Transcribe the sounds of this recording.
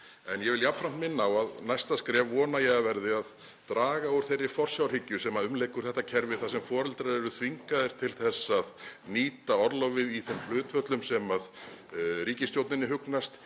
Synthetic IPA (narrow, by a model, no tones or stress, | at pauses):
ɛnjɛvɪljapfɾam̥t̪mɪnːaawaðnajst̪askɾɛːvɔːnajɛɣavɛɾðɪað | t̪ɾaːɣaʊɾ̥θejrːɪ̥fɔr̥sjawr̥ɪcːʏsɛːmaʏmlejkʏɾ̥θɛht̪ːacʰɛɾvɪ̥θasɛmfɔːɾɛlt̪ɾaðɛɾʏθviŋkaðɪɾ̥t̪ʰɪlθɛsːaðniːt̪aɔɾlɔvɪðiθɛml̥ʏːt̪fœt̪lʏmsɛmað | ɾiːcɪst̪jowt̪nɪnːɪɦʏknast̪